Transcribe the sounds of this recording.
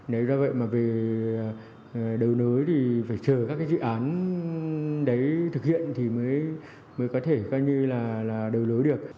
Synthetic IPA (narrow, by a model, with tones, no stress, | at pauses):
nə˨˦jzɔ˧və̰˧˨jmaː˨˩ve˨˩˨ | ɗə˨˩wno˨˦jt̪ʰi˨˩faː˧˩jt͡ɕəː˧˩kaː˦˥kːaː˨˦jzɨ̰˧˨ʔaː˨˦n | ɗə˨˦jt̪ʰɨ˨˩k̚hḭ˧˨ənt̪ʰi˨˩məː˨˦j | məː˨˦jkɔ˨˦t̪ʰe˧˩kɔː˨˧ɲɨ˧laː˨˩laː˨˩ɗə˨˩wlo˨˦jɗɨ˨˩ək̚